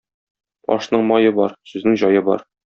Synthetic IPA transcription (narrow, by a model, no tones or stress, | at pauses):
pɒ̰ʃnɤɴmɒjɤbɒɾsʉznɘŋʑɒjɤbɒ̰ɾ